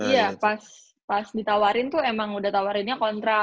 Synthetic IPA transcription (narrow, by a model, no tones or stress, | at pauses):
ijapas | pasdit̪awaɾɪnt̪ʊemaŋudaht̪awaɾɪnɲakɔnt̪ɾa